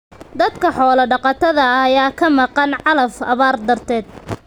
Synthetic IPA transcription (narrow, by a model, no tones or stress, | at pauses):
d̪ɐd̪kʰɐħɔːlɐɖɑqɑt̪ʰɐðɐːjaːkʰɐmɑqɑnʕɑlɐfɐ̰βaːrd̪ɐrt̪ʰɛːd̪̚